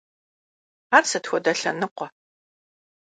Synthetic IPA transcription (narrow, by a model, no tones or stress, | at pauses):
aːrsɐtxʷɔdɐɬɐ̰nɨqʷɔ